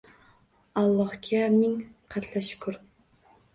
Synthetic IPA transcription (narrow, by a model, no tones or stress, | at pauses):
ɑlˠːɑhkʲʰɛmɪŋqʰæt̪ʰlæʃʊ̥kʲʰʊɾ